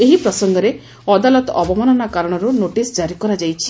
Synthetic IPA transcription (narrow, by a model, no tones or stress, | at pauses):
eɦipɾɔsɔŋɡɔɾe | ɔd̪alɔt̪ɔɔbɔmanɔnakaɾɔɽ̃ɔɾunoʈisd͡ʒaɾikɔɾad͡ʒajt͡ʃʰi̥